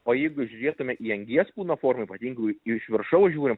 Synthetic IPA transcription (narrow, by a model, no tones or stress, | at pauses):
oːjɛɪɡʊʒʲʊɾʲeːt̪ʊmʲɛʔiːɛŋʲɡʲiɛspuːnoːfoːɾmɐiːpɐt̪ʲiːŋɡʊɪʃʲʋʲɪɾʃɐʊʒʲuːɾʲɪm